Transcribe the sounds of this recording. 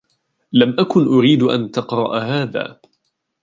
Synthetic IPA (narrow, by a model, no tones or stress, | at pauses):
lamʔakʊnʔʊɾiːd̪ʔa̰nt̪ɑqɾˤɑ̰ʔhaːða̰ː